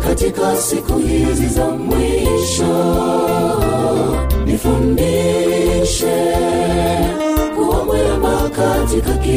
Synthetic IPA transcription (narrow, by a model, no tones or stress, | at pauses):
katikasikuhizizamwiʃɔ | nifundi | ʃɛ | kuwakwɛbakatikaki